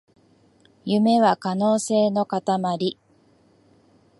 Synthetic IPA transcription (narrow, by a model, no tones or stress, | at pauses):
jɯme̞βakano̞ːse̞ːno̞kat̪amaɾʲi